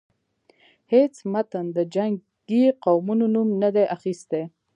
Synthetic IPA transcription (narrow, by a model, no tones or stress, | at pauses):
het͡smat̪ənd̪əd͡ʒaŋ | ɡiqawmunonumnad̪eʔaxist̪e